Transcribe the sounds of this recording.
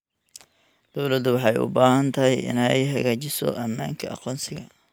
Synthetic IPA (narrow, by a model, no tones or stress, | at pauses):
d̪̥ɔwlɐd̪ʊwɑħɑjʊ̰baːɦɐnt̪ʰɐɦɛjʔɪ̰nɛjɦɐɣaːt͡ʃɪsɔ̰ʔɐma̰ːŋkʰɐʔɑ̰qɔːnsɪɣɐ